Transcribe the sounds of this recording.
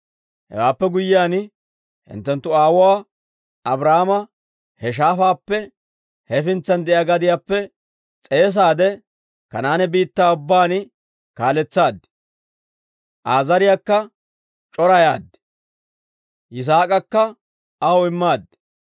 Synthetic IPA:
hɛ̰waːpːɛɡʊjːɪjaːn | hɪ̰nt̪ːɛnt̪ːʊaːwɔwaː | ɐbɾahmɐ | hɛʃ̬aːfaːpːɛ | hɛfɪnt͡sːɐnd̪ɛʔjaɡɐd̪ɪjaːpːɛ | t͡sʼe̞ːs̬aːd̪ɛ | kɐnaːnɛbiːt̪ːaːʊbːaːn | kaːlɛt͡sːaːd̪ | ʔaːzɐɾɪjakːɐ | t͡ʃʼɔɾɐjaːd̪ː | ʔɪs̬aːkʼɐkːɐ | ɐhɔɪmːaːd̪ː

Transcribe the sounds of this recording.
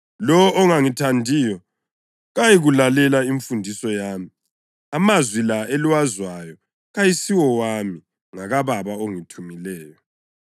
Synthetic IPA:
lɔɔɔŋaŋitʰandʱiːjɔ | ɣajiɣulalɛlaiɱfundʱisɔjaːmi | amazwilaeliwazwajɔ | ɣajisiwɔwami | ŋaɣaβaβaoŋitʰumilɛːjɔ

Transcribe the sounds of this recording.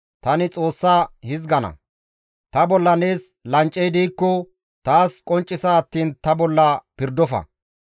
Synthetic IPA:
t̪ɐnɪt͡sʼo̞ːsːaːhɪzɡɐnɐ̰ | t̪ɐbɔlːɐneːs | lɐnt͡ʃʼːɛjd̪iːkːɔ | t̪aːskʼɔnt͡ʃʼːɪsaːt̪ːiːnt̪ɐbɔlːɐpɪɾd̪ɔfɐ̰

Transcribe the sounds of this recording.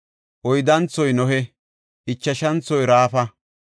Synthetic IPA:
ʔɔjd̪ɐnt͡sːɔjnɔɦɛ | ʔɪt͡ʃːɐʃɐnt͡sːɔjɾaːfɐ

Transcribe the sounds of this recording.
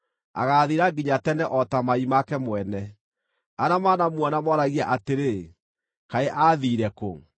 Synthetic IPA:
a̰ɣaðiɾaɡiɲatɛnɛʔɔtamaimakɛmwɛnɛ | aɾamaːnamwɔnamɔɾaɣiaʔateɾe | kaeʔaːðiːɾɛko̰

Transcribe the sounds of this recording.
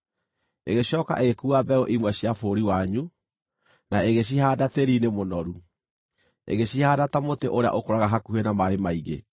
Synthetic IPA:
eɣeɕɔːka̰ʔeɣekuabɛɔʔimwɛɕiafoɾiwaɲu | naeɣeɕ̬ihaːdateɾinemonɔɾu | ḛɣeɕihaːdatamoteʔoɾea̰ʔokoɾaɣaɦakuhenamaemaiɣḛ

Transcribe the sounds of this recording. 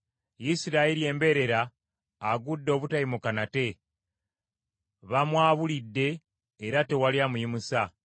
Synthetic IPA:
jisiɾailie̞ːmbe̞ɾe̞ɾaː | ɡudːo̞ːβutaimukanate̞ | βamwaːβulidːe̞ː | ɾate̞waljamujimusa

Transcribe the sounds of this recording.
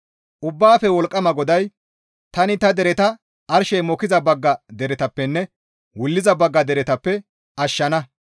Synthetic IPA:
ʔʊbːaːfɛwɔlkʼːɐmɐɡɔd̪ɐj | t̪ɐnɪt̪ɐd̪ɛɾɛt̪ɐ | ɐɾʃɛjmɔkɪzɐbɐɡːɐd̪ɛɾɛt̪ɐpːɛnːɛ | wʊlːɪzɐbɐɡːɐd̪ɛɾɛt̪ɐpːɛ | ɐʃːɐnɐ

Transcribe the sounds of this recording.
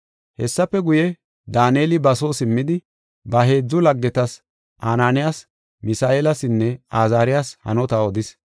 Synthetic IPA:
hɛsːɐpːɛɡʊjɛ | d̪aːneːlɪbɐso̞ːsɪmːɪd̪ɪ | bɐɦe̞ːd͡zːʊlɐɡːɛt̪ɐs | ʔaːnaːnɪjaːs | mɪsaːeːlɐsɪnːɛaːzaːɾɪjaːshɐ̰nɔt̪aɔd̪ɪs

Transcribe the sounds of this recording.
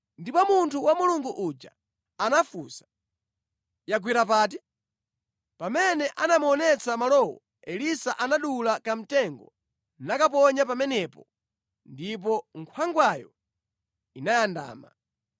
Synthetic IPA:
ndipɔmuntʰuwamuluŋɡuʔud͡ʒa̰ | anafuːsḁ | jaɡ̬wiɾap̬aːt̬i | pamɛnɛʔanamuɔnɛt͡sʰamalɔwɔ̰ | ɛlisaʔanaɗulakam̩tɛŋɡɔ̰ | nakap̬ɔɲap̬amɛnɛpɔ | ndip̬ɔŋkʰwaŋɡwajɔ̰ | inajanda̰ːma̰

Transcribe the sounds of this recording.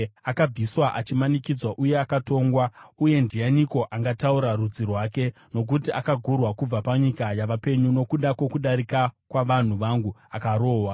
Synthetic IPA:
akab͡viswaʔat͡ʃimanikid͡zwaʔuje̞akato̞ːŋɡwauje̞ndijaniko̞ʔaŋɡatauɾarud͡zirwaːke̞ | no̞k̬utiʔakaɡʱurwakub͡vapaɲikajaʋape̞ɲuno̞kuɗakwe̞kuɗaɾikakwaʋan̤uʋaŋɡuakaɾo̞ːwa

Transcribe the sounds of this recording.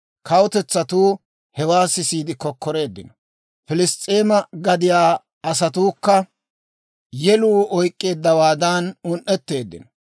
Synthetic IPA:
kʰɐwɔt̪ɛt͡sːɐt̪uː | hɛwaːsɪsiːd̪ɪkɔkːɔɾe̞ːd̪ːɪ̰nɔ | fɪlɪst̪ʼːeːmɐɡɐd̪ɪjaː | ɐs̬ɐt̪uːkːɐ | jɛluːʔɔjkʼːe̞ːd̪ːɐwaːd̪aːnʊnʔːɛt̪ːe̞ːd̪ːɪ̰nɔ

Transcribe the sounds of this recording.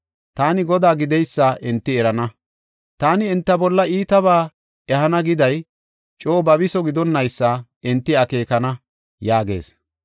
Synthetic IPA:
t̪aːnɪɡɔd̪aːɡɪd̪ɛjsːaʔɪnt̪ːɪɛɾɐnɐ | t̪aːnɪːnt̪ːɐbɔlːɐiːt̪ɐβaː | ɛɦɐnɐɡɪd̪ɐj | t͡ʃʼoːbɐbɪsɔɡɪd̪ɔnːɐjsːa | ɪnt̪ːɪɐke̞ːkɐnɐ | jaːɡe̞̰ːs

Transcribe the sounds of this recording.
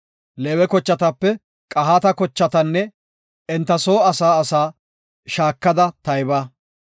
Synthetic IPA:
leːwɛkɔt͡ʃːɐt̪ɐpːɛ | kʼɐɦaːt̪ɐkɔt͡ʃːɐt̪ɐnːɛ | ɛnt̪ːɐso̞ːɐsaːɐsaː | ʃaːkːɐd̪ɐt̪ɐjbaː

